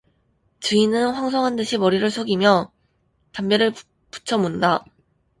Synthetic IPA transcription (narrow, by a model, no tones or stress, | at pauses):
t͡ɕɯinɯnɸwaŋsʰʌŋɦandɯɕʰimʌɾiɾɯɭsʰoɡimjʌ | tambeɾɯɭ | pu̥t͡ɕʰʌmunda